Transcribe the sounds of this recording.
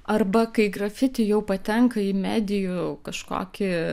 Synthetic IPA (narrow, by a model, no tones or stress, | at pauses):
ɐrbɐkɐɪɡrɐfʲɪt̪ʲɪjɛʊpɐt̪ʲɛŋkɐɪmʲæːd̪ʲɪjʊkɐʃko̰ːkʲɪ